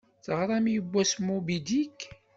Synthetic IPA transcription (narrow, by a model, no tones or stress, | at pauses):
θəʁɾˤɑmjəbʷːæsmːubid̪ik